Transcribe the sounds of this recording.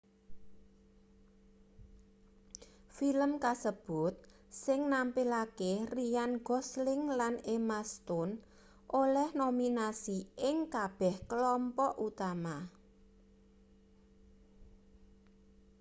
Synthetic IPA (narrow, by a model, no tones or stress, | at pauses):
filəmkasəb̥ʊt̪̚ | sɪŋnampilakerijanɡɔslɪŋlanemast̪ʊn | ʔolɛhnominasiʔɪŋkab̥ɛhkəlɔmpɔʔut̪ama